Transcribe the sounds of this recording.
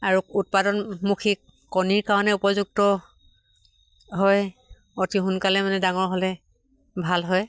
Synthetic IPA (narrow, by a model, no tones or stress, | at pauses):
aɹuut̚padɔnmukʰi | kɔniɹkaɹɔnɛupɔzuk̚tɔ | ɦɔj | otixʊnkalɛmanɛdaŋɔɹɦɔlɛ | bʱalɦɔj